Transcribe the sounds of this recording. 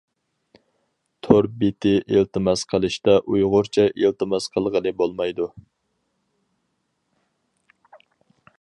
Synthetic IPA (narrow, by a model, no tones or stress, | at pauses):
t̪ʰoɾbet̪ʰɪʔelt̪ɨmɑsqʰəlˠɨʃt̪ɑʔujʁʊɾt͡ʃʰɛʔelt̪ɨmɑsqʰəlˠʁəlɨbolˠmɑjd̪u